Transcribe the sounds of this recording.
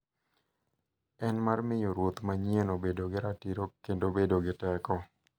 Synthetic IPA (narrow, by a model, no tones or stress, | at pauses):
ɛnmarmɪjoɾwot̪maɲienobedoɡɪɾatiɾokendobedoɡɪtɛkɔ